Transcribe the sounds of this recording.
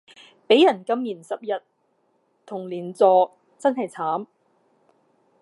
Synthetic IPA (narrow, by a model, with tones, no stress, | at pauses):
pe˨˥jɐ˨˩nkɐ˥mjiː˨˩nsɐ˨p̚jɐ˨t̪̚ | t̪ʰʊ˨˩ŋliː˨˩nt͡sɔː˨˧ | t͡sɐ˥nɦɐ˨jt͡sʰaː˨˥m